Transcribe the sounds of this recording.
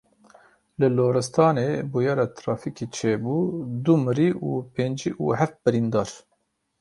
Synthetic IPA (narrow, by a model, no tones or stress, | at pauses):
lɨloːɾɨst̪ʰɑːneːbujɑːɾɑːt̪ʰɾɑːfikit͡ʃʰeːbuːd̪umɨɾiːʔuːpeːnd͡ʒiːʔṵɦɛft̪̚bɨɾind̪ɑːɾ